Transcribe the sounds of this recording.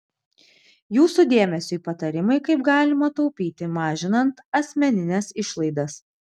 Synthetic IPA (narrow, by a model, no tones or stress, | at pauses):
juːsud̪ʲeːmʲɛsʲʊipɐt̪ɐɾʲɪmɐɪkɐɪpɡɑːlʲɪmɐt̪ɔʊpʲiːt̪ʲɪmɑːʒʲɪnɐnt̪ɐsʲmʲɛnʲɪnʲɛsɪʃlˠɐɪd̪ɐs